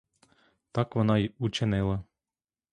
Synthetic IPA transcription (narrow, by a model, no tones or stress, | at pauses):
t̪ɑkʋɔnɑiut͡ʃɪnɪlˠɐ